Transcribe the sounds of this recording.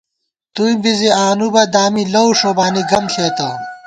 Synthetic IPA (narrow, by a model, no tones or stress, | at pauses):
t̪uimbiziaːnubɐd̪aːmilɐwʂobaːniɡɐmɬʰeːt̪ɐ